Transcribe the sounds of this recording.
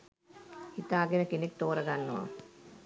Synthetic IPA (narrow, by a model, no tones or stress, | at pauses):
hit̪aːɡenəkenek̚t̪oːɾɐɡanːuʋa̰